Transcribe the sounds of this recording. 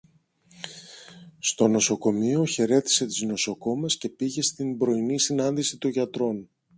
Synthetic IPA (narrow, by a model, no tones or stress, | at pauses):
st̪o̞no̞so̞ko̞mio̞çe̞ɾe̞t̪i̥se̞t̪izno̞so̞ko̞mesce̞piʝe̞st̪imbɾo̞inisinɐnd̪isit̪oʝɐt̪ɾo̞n